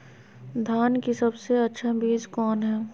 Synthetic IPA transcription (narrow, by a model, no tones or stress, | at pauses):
d̪ʱaːnkisɐbseɐtːʃʰabiːd͡ʒkɔːnɦɛː